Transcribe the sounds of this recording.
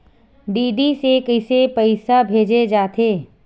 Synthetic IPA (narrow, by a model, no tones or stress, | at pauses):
ɖiːɖisekəɪsepəɪsabʱeːd͡ʒed͡ʒaːt̪eː